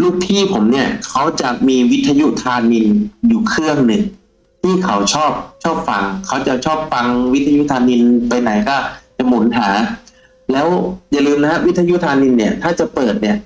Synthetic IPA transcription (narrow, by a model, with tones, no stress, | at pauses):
luː˥˩k̚t̪ʰiː˥˩pʰo˩˦mni˥˩ɐkʰa˦˥wt͡ɕa˨˩miː˧wi˦˥t̪ʰːa˧ju˦˥t̪ʰaː˧ni˧njuː˨˩kʰɯ˥˩əŋnɯ˨˩ŋ | t̪ʰiː˥˩kʰa˦wt͡ɕʰɔː˥˩p̚t͡ɕʰɔː˥˩p̚fa˧ŋkʰa˦˥wt͡ɕa˨˩t͡ɕʰɔː˥˩p̚fa˧ŋwt̪ʰːa˧ju˦˥t̪ʰaː˧ni˧npa˧jna˩˦jkɔː˥˩t͡ɕa˨˩mo˩˦nɦaː˩˦ | lɛː˦˥wja˨˩lɯː˧mna˦˥ha˦˥wi˦˥t̪ʰːa˧ju˦˥t̪ʰaː˧ni˧nːi˥˩ɐt̪ʰaː˥˩t͡ɕa˨˩pɤː˨˩t̪̚ni˥˩ɐ